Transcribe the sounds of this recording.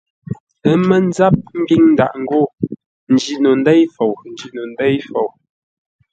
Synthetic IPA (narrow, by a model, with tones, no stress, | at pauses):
ə˦mə˦n˦za˦p̚m̩˦bi˦ŋn̩˦da̰˨ʔŋ̩˨ɡo˦˨ | n̩˨d͡ʒi˨no˨n˦dɛ˦jfo˨wn̩˨d͡ʒi˨no˨n˦dɛ˦jfo˨w